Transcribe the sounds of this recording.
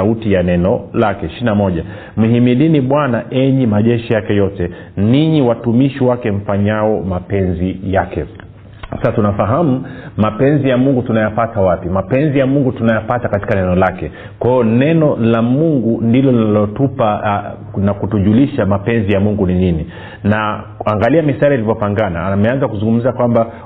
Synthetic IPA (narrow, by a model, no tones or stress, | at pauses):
autijanɛnɔlakɛʃinamɔʄa | m̩himiliniɓwanaʔɛɲimaʄɛʃijakɛjɔtɛ | niɲiwatumiʃiwakɛɱ̩faɲaɔmapɛnzijakɛ | saasatunafaɦamumapɛnzijamuŋɡutunajapatawapimapɛnzijamuŋɡutunajapatakati̥kanɛnɔlakɛ | kwaiɔnɛnɔlamuŋɡundilɔlinallɔtupa | nakutuʄuliʃamapɛnzijamuŋɡunilini | na | aŋɡaliamisaɾiilivɔpaŋɡanamɛanzakuzuŋɡum̩zakwamba